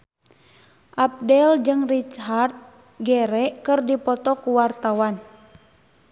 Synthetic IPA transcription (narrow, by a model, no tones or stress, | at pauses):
ʔap̚dɛld͡ʒɨŋrit͡ʃɦart̪̚ | ɡɛɾɛʔkɨrdipɔt̪ɔkuwart̪awan